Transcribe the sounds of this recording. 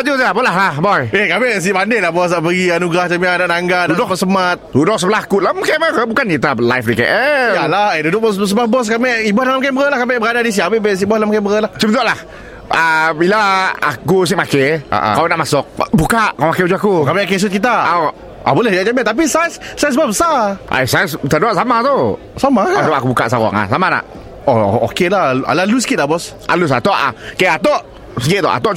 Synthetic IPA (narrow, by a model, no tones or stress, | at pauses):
ad͡ʒusaabolaɦlahbɔjekameʔs̬ibandeʔlahbɔs̬aʔpəɡianuɡaht͡ʃamianaʔnaŋɡadudʊkbɔsəmat̪̚dudʊk̚səbəlahkulamkaməkəbukanit̪ala̰jfdika̰ʔəjalahedudʊk̚bɔss̬əblahbɔs̬kamɛʔibɔhlalamk̬aməəlahkamɪʔbəɾadadis̬iabeʔbes̬iʔbɔlamkɛmbəɣəlaht͡ʃubt̪oʔlah | əbilaa̰kus̬iʔmakea̰ʔkawanaʔmasʊk̚bukaʔkamakɛud͡ʒuakukamɛʔkes̬ʊt̪̚kit̪̬aa | a̰bolɛhaʔd͡ʒabɛt̪ap̬isajssajs̬babəsaʔa̰jsajst̪əduaʔsamat̪u | samaadaʔakubukaʔsaɣɔ̰ŋa̰samana̰ʔ | o̰o̰kelaha̰lalus̬kit̪abɔs | ʔa̰lus̬a̰t̪ɔʔa̰keat̪ɔʔ | səɡɪt̪̚t̪ɔ̰ʔa̰t̪ɔʔ